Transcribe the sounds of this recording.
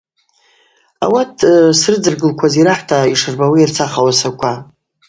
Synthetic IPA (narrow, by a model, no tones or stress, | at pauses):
a̰watʰsrɨd͡zɨrɡɨlkʷʰaziɾaħtʰaiʂɨrbawiirt͡sʰaχawasakʷʰa